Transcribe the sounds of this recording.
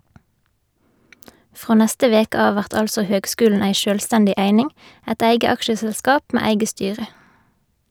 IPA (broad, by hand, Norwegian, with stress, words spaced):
ˈfʁoː ˈnɛstə ˈʋeːkə ˈɑːʋ ˈʋæʁt ˈɑlsɔ ˈhøːɡˌskʉːln̩ ˈeɪ ˈʃøːlˌstɛndɪ ˈʔeɪnɪŋ ˈɛt ˈeɪɡə ˈɑkʃəsɛlˌskɑːp ˈmeː ˈeɪɡə ˈstyːʁə